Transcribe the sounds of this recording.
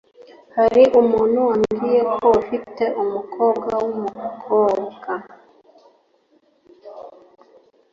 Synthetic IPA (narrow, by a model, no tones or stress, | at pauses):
haɾiʔumuːn̤uwaŋɡijekʰoafiteʔumukʰoːbɡawumukʰoːbɡ̥a